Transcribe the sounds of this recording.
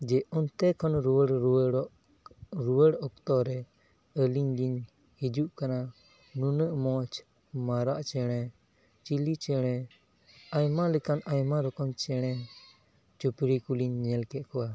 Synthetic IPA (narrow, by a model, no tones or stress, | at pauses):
d͡ʒɛʔɔnt̪ɛkʰɔnɾuəɽ | ɾuwəɽɔk̚t̪ɔɾɛ | əliɲd͡ʒiɲ | hid͡ʒuʔkana | nunəʔmɔt͡ʃ | maɾaʔt͡ʃɛɽ̃ɛ | t͡ʃilit͡ʃɛɽ̃ɛ | ajmalɛkanajmaɾɔkɔmt͡ʃɛɽ̃ɛ | t͡ʃupɾikuliɲːɛlkɛt̪̚kɔwa